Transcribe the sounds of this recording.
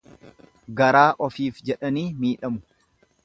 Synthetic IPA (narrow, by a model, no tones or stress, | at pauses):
ɡɐɾaːʔɔfiːfd͡ʒɛᶑɐniːmiːᶑɐmʊ̥